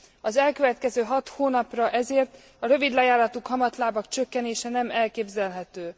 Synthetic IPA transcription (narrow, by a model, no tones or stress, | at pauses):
ɒzɛlkøvɛt̪kɛzøːɦɒt̪hoːnɒprɒʔɛzeːrt̪ | ɒɾø̞vid̪lɛjaːllɒt̪ukhɒmɒt̪laːbɒkt͡ʃøkːɛneːʃɛnɛmɛlkeːbzɛlɦɛt̪øː